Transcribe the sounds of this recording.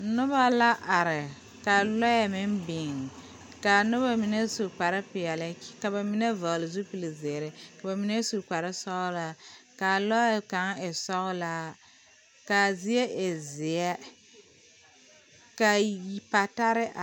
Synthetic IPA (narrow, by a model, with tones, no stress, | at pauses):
nʊ˦ba˦la˦ʔa˨ɾɪ˨ | ka˨lɔ˦jɛ˨mɪ˦mbɪ˨ŋ˨ | ka˨nʊ˦ba˦mi˦ne˦su˨k͡pa˨ɾɪ˦pɪ˨jɛ˨lɪ˦ka˨ba˨mi˦ne˦va˨ɣlɪ˨zu˦pi˨li˨zɪ˨ɾɪ˨ka˨ba˨mi˦ne˦su˨k͡pa˨ɾɪ˦sɔ˦ɣʊ˦la˦ka˨lɔ˦jka˨˦ŋ˦ɪ˨sɔ˦ɣʊ˦la˦ | ka˨zɪ˦e˦ʔe˨zɪ˨ɛ˦ | ka˨ji˨pa˨ta˦ɾɪ˦ʔa˨